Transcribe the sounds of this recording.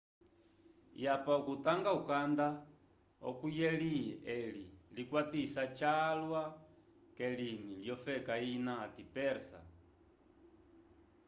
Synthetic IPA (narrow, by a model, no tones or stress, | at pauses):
japaukut̪aŋɡaukand̪a | ɔ̰kujɛliɛlilikwat̪isat͡ʃalwa | kɛliniljɔfɛkainaːt̪ipɛɾsa̰